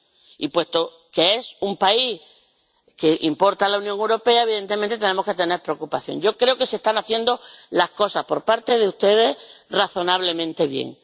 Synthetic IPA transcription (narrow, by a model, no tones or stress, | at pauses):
ḭpwe̞st̪o̞ | ke̞e̞sumpai | ke̞ʔimpo̞ɾt̪alaunjoŋewɾo̞pe̞aeβiðe̞nt̪e̞mẽnt̪et̪ene̞moket̪e̞ne̞ɾpɾeokupaθjo̞̰ŋɟ͡ʝo̞kɾe̞oke̞sest̪anaθje̞nd̪o̞lahko̞sahpo̞ɾpaɾt̪e̞ð̞eust̪e̞ðe̞raθo̞naβ̞le̞mẽnt̪e̞βjḛŋ